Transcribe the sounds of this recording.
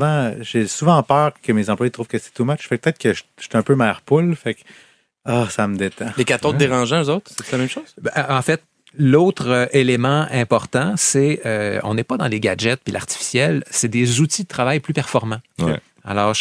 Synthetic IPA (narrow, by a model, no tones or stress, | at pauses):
vɑ̃ʒesuvɑ̃pœːʁkəmezɑ̃plwajit̪ʁuːv̥kəsɛ̥t̪umat͡ʃfɛk̚pət̪ɛt̪kəʒʃt̪ɛɛ̃ːpømɛːʁpʊlfɛk | ɔsaməd̪et̪ãlekat̪õd̪eʁɑ̃ʒãøzot̪χsɛsɛlamɛ̃mʃoz̥bɛɑ̃fɛt̪̚ | lot̪χøʔelemɑ̃ɛ̃pɔʁt̪ɑ̃sɛøɔ̰̃nɛpʌd̪ɑ̃leɡʲad͡ʒɛt̪̚pila̰ʁt̪i̥fi̥sjɛlsɛd̪ezut̪id̪ət̪χavajplypɛʁfɔʁmɑ̰̃ | a̰lɔːʁ